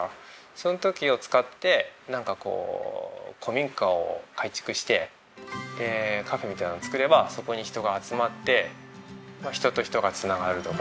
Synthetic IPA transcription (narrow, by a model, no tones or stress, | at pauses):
so̞no̞t̪o̞kʲio̞t͡sɨ̥kat̪ːe̞nãŋkako̞̰ː | kʰo̞mʲĩŋkao̞̰kait͡ɕi̥kɯ̟ɕi̥t̪e̞ | eːkaɸe̞mʲit̪ainaːt͡sɨ̥kɯ̟ɾe̞baso̞ko̞ɲ̟içi̥t̪o̞ɡaːt͡sɨmat̪ːe̞ | maçi̥t̪o̞t̪o̞çi̥t̪o̞ɡat͡sɨnaɡaɾɯ̟t̪o̞k